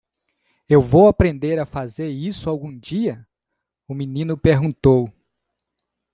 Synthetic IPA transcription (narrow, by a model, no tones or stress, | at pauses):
ewvowapɾẽnd̪eɾafazeɾisʊawɡũd͡ʒiɐ | ʊminĩnʊpeɾɡũt̪ow